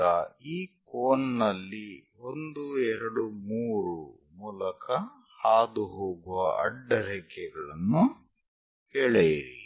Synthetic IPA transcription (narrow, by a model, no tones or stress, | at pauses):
ɐiːkoːnnɐlːi | o̞nd̪uɛɾɐɽumuːɾu | muːlɐkʰɐ | haːd̪uɦoːɡuʋɐ̰ʔɐ̰ɖːɐɾɛːkɛɡɐɭɐnːu | hɛɭejiɾḭ